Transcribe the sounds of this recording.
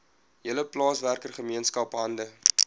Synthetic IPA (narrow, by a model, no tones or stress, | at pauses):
jiələplɑːsværkərχəmiənskɐpɦɐndə